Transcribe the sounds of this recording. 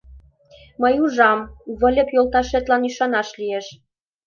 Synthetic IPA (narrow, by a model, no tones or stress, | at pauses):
məjuʒɑmβə̆lʲə̆pjolt̪ɑʃet̪lɑnyʃɑnɑʃlieʃ